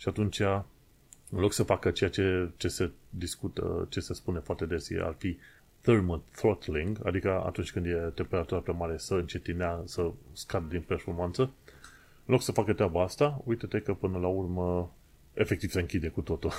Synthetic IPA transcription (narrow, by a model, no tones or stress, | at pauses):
ʃiat̪unt͡ʃa | ɨnlo̞ksəfakət͡ʃe̞jat͡ʃe̞t͡ʃe̞se̞d̪iskut̪ə̰t͡ʃe̞se̞spune̞foart̪e̞d̪esa̰rfi | θərməθɾot̪liŋɡa̰d̪ikəa̰t̪unt͡ʃʲkɨnd̪je̞t̪e̞mpe̞ɾat̪uɾapɾeamaɾe̞səɨnt͡ʃe̞t̪ineasəskad̪əd̪inpe̞rfo̞rmant̪sə | ɨnlo̞ksəfakət̪ɾʲeabaast̪aujt̪ət̪ekəpɨnəlaurmə | e̞fe̞k̚t̪iv̥seɨŋkʲid̪e̞kut̪o̞t̪ul